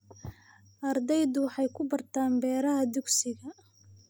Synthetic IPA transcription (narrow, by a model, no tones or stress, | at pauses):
ʔɐrd̪ɛjd̪ʊwħɑjkʰʊbɐrt̪ʰaːmbɛːɾɐɦɐd̪ʊɡsɪɣɐ